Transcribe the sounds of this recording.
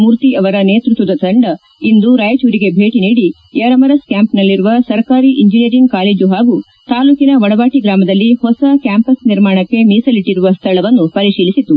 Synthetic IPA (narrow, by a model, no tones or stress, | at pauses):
muːɾt̪iʔɐʋɐɾɐneːt̪ɾut̪ʋɐd̪ɐt̪ʰɐɳɖɐ | ind̪uɾaːjɐt͡ʃuːɾiɡe̞bʱe̞ːʈiniːɽi | jɐɾɐmɐɾɐskjaːmpnɐlːiɾuʋɐsɐɾkaːɾiʔiɲd͡ʒinijɐɾiŋɡkaːleːd͡ʒuɦaːɡu | t̪aːluːkinɐʋɐɽɐʋaːʈiɡɾaːmɐd̪ɐlːihɔsɐkjaːmpɐsniɾmaːɳɐkːe̞miːsɐliʈːiɾuʋɐst̪ʰɐɭɐʋɐnːupɐɾiʂiːlisit̪u